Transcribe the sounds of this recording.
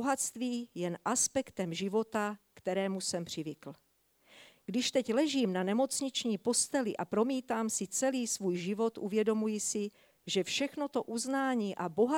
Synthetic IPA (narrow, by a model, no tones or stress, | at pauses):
oɦast̪viːjɛnʔaspɛkt̪ɛmʒɪvo̞t̪akt̪ɛɾɛːmusɛmpr̝̥ɪvɪkl̩ | ɡ̥dɪʃt̪ɛclɛʒiːmnanɛmo̞t͡sɲɪt͡ʃɲiːpo̞st̪ɛlɪʔapɾo̞miːt̪aːmsɪt͡sɛliːsvuːjʒɪvo̞t̪ʔuvjɛdo̞mujɪsɪ | ʒɛfʃɛxno̞t̪o̞ʔuznaːɲiːʔabo̞ɦa